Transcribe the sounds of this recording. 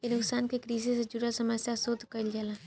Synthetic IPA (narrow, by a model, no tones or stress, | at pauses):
enʊksaːnkekɾiːsised͡ʒuɾasəməsjasoːd̪kəld͡ʒala